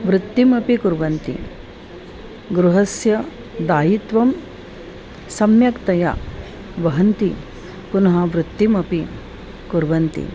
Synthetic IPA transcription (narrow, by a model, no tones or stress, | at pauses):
ʋɾut̪ːimɐpikuɾʋɐnt̪ḭ | ɡɾuɦɐsjɐ | d̪aːjit̪ʋɐm | sɐmjɐkt̪ɐja̰ | ʋɐɦɐnt̪i | kunɐɦɐʋɾut̪ːimɐpi | kuɾʋɐnt̪ḭ